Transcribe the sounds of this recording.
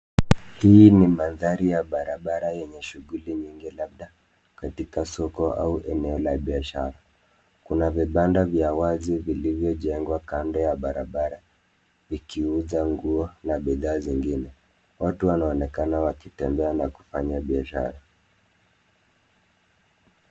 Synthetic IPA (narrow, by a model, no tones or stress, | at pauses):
hinimanðaɾijaɓaɾaɓaɾajɛɲɛʃuɣuliɲiŋɡilaɓ̚ɗa | katikasɔkɔa̰uʔɛnɛɔlaɓiaʃa̰ɾa | kunaviɓandavjawazivilivjɔʄɛŋɡwakandɔjaɓaɾaɓaɾa | vikiuzaŋɡuɔnaɓiðaːziŋɡinɛ | watuwanaɔnɛkanawakitɛmbɛanaku̥faɲaɓiaʃa̰ɾa